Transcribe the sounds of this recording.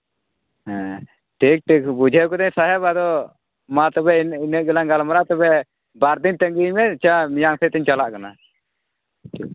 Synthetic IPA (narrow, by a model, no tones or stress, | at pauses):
ɦɛ̃ | ʈʰik̚ʈikbud͡ʒʱɛkɔd̪ɛɲsaɦɛbad̪ɔ | mat̪ɔbɛninəʔ̚ɡɛlaŋɡalmaɾat̪ɔbɛ | baɾd̪int̪ɛŋɡimɛt͡ʃamijaŋsɛt̪ɛɲt͡ʃalaʔkana̰ | ʈʰik̚